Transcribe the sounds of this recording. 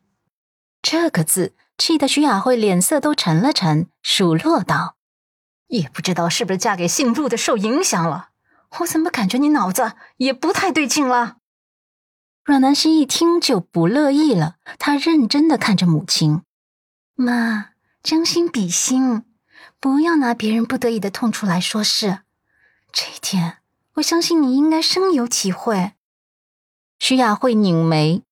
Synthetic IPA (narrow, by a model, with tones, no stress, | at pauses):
ʈ͡ʂɤ˥˩ɡə˩t͡sɹ̩˥˩ | t͡ɕʰi˥˩d̪ə˧˩ɕy˧˥ja˨˩xwe˥˩ɪljɛ˨˩nsɤ˥˧˩t̪o˥ʊʈ͡ʂʰə˧˥nlə˧ʈ͡ʂʰə˧˥nʂu˨˩lwɔ˥˧t̪ɑ˥˩ʊ | jɛ˨˩pu˥˩ʈ͡ʂɻ̩˥t̪ɑ˥˧ʊʂɻ̩˥˩u˩ʂɻ̩˥t͡ɕja˥ke˨˩ɪɕi˥˧ŋlu˥˩d̪ə˩ʂo˥˩ʊi˧˥ŋɕjɑ˨˩ŋlə̰˧˦ | xo˥˩ʊʂə˨˥mə˧ka˨˩nt͡ɕɥɛ˧˥ni˧˥nɑ˨˩ʊd͡zə˧jɛ˨˩pu˧˥t̪ʰa˥˧ɪt̪we˥˧ɪt͡ɕi˥˩ŋlə˩ | ɻwa˨˩nna˧˥nɕi˥ŋi˥˩t̪ʰi˥ŋt͡ɕjo˥˩ʊpu˧˥lɤ˥˧i˥˩lə˩t̪ʰa˥ɻə˥˩nʈ͡ʂə˥nd̪ə˨kʰa˥˩nʈ͡ʂə˩mu˨˩t͡ɕʰi˥n | ma˥˩ | t͡ɕjɑ˥ŋɕi˥npi˨˩ɕi˥ŋ | pu˧˥jɑ˥˩ʊna˧˥pjɛ˧˥ɻə˧˥npu˥˩t̪ɤ˧˥i˨˩d̪ə˦t̪ʰʊ˥˩ŋʈ͡ʂʰu˥la˧˥ɪʂwɔ˥ʂɻ̩˥˩ | ʈ͡ʂɤ˥˩t̪ʰjɛ˥n | wɔ˨˩ɕjɑ˥ŋɕi˥˩nni˨˩i˥ŋka˥ɪʂɤ˥ŋjo˧˥ʊt̪ʰi˧˥xwe˥˩ɪ | ɕy˥ja˥˧xwe˥˩ɪni˨˩ŋme˧˥ɪ